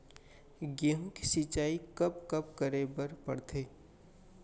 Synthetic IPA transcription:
ɡeɦũki̥sit͡ʃaːikɐp̚kɐp̚kəɾebəɾpɐ̰ɽt̪ʰeː

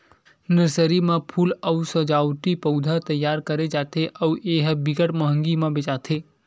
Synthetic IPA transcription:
nəɾsəɾimãpʰuːləwsəd͡ʒaːwt̪ipəwd̪ʱat̪əjːaːɾkəɾed͡ʒaːt̪ʰeʔəwʔeːɦbɪɡəʈməɦə̃ŋɡimãbet͡ʃaːt̪ʰe

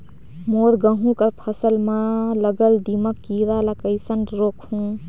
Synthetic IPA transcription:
moɾɡəɦũkəɾpʰəsəlmãləɡəld̪iməkːiɾalakəɪsənɾokhũ

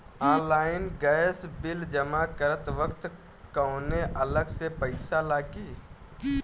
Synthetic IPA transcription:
ɔ̃ːlaːɪnɡəsbɪld͡ʒəmakəɾət̪ʋəkt̪ | kəʊneʔələɡsepəɪsalaːɡi

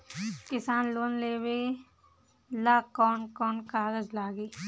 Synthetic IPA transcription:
kɪsaːnloːnleːwe | laːkɔːnkɔːnkaːɡəd͡ʒlaːɡiː

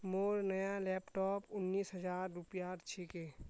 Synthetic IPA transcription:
moːɾnəjalɛːpʈɔːpʊnːiːsɦəd͡ʒaːɾːʊpjaːɾt͡ʃʰikeː

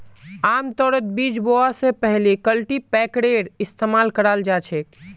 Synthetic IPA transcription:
amt̪ɔːɾət̪̚bid͡ʒboasepɛɦlikəlʈipɛkɽeɖɪst̪ʰemaːlkəɾald͡ʒat͡ʃʰek

